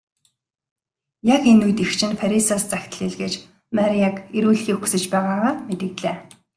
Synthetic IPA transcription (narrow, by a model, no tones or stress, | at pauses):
jakenujt̪ixt͡ɕʰɪ̆nfaɾʲisaːst͡saxʲt̪ə̆ɮiɮɣeːt͡ɕ | maɾʲiakeɾuːɮxiːku̥sɘ̆t͡ɕpæːʁaːʁaːmet̪ɘ̆ɣt̪ɮeː